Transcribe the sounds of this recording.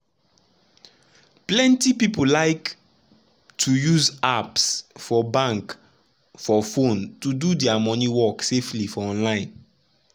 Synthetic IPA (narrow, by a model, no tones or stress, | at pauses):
plɛ̃ntipipolaɪk | tʰujuzapsfɔbãŋk | fɔfõntududɛamɔniwɔkseflifɔɔ̃nlãɪ̃n